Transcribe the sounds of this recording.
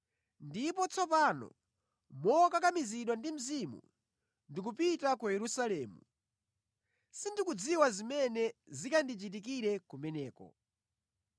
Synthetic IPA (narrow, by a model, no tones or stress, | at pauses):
ndipɔt͡sɔp̬anɔ̰ | mɔkak̬amiziɗwandim̩zimṵ | ndik̬upitakujɛɾusalɛːmu | sindikud͡ziwazimɛnɛzikandit͡ʃit̬ik̬iɾɛkumɛnɛːkɔ̰